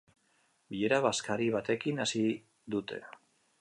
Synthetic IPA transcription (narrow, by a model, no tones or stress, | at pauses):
biʎeɾaβaskaɾiβat̪e̞kinasi | d̪ut̪e̞̰